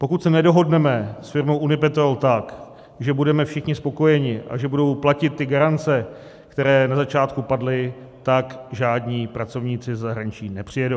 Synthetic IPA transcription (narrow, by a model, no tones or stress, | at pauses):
po̞kut̪sɛnɛdo̞ɦo̞dnɛmɛsfɪɾmowʔunɪp̬ɛt̪oalt̪ak | ʒɛbudɛmɛfʃɪxɲɪspo̞ko̞jɛɲɪʔa̰ʒɛbudo̞wplacɪt̪ːɪɡaɾant͡sɛ | kt̪ɛɾɛːnazat͡ʃaːt̪kupadlɪ | t̪akʒaːdɲiːpɾat͡so̞vɲiːt͡sɪzɛzaɦɾaɲɪt͡ʃiːnɛpr̝̥ɪjɛdow